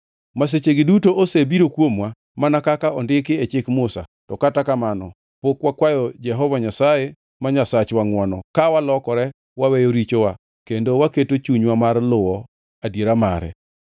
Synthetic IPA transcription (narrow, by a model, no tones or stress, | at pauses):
mas̬et͡ʃeɡɪdutoʔosebiɾokwomwa | manakakaɔndɪkɪet͡ʃɪkmʊsa̰tɔkatakamanɔ | pokwakwajɔd͡ʒɛɦɔvaɲasaje | maɲasat͡ʃwaŋwanɔkawalɔkɔɾɛ | wawɛjoɾit͡ʃowa | kendowaketot͡ʃuɲwamarlʊwɔ | adjeɾamaɾɛ̰